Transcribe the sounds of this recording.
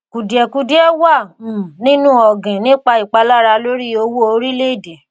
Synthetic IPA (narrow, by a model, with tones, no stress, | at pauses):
ku˨di˨ɛ˨ku˧di˦ɛ˦wa˦˨nĩ˦nũ˦ɔ˨ɡẽ˨nĩ˦k͡pa˧i˨k͡pa˧˦la˦ɾa˧lo˦ɾi˦o˧wo˦o˧˦ɾi˦le˦i˦˨de˨